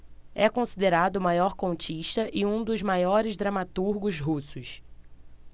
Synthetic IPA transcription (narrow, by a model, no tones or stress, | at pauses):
ɛkõsid̪eɾad̪ʊmajɔɾkõt͡ʃiʃt̪ɐʔɪũd̪ʊzmajɔɾɪzd̪ɾɐmat̪uɾɡʊzɦusʊs